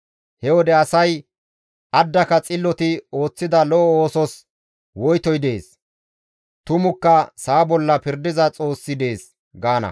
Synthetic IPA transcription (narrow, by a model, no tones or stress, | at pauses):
hɛwɔd̪ɛɐsɐj | ʔɐd̪ːɐkɐt͡sʼɪlːɔt̪ɪo̞ːt͡sːɪd̪ɐlɔʔɔoːsɔs | wɔjt̪ɔjd̪e̞ːs | t̪ʊmʊkːɐsaːbɔlːɐpɪɾd̪ɪzɐt͡sʼo̞ːsːɪd̪e̞ːs | ɡaːnɐ̰